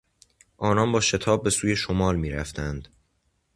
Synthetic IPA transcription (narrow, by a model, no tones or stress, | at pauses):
ʔɒːnɒːnbɒːʃe̞t̪ʰɒːb̚ːe̞suːje̞ʃomɒːlmiːɾæft̪ʰænd̪̥